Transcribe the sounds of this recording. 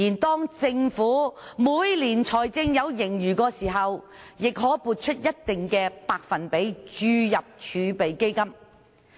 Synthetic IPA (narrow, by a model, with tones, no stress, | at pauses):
iː˨˩nt̪ɔː˥ŋt͡sɪ˧ŋfuː˨˥muː˨˧jliː˨˩nt͡sʰɔː˨˩jt͡sɪ˧ŋjɐ˨˧wjɪ˨˩ŋjyː˨˩kɔː˧siː˨˩ɦɐ˨w | jɪ˨k̚ɦɔː˨˥puː˨t̚t͡ʃʰɵ˥t̚jɐ˥t̚t̪ɪ˨ŋkɛː˧paː˧k̚fɐ˨npe˨˥jt͡ʃyː˧jɐ˨p̚t͡ʃʰyː˨˧pe˨jke˥jkɐ˥m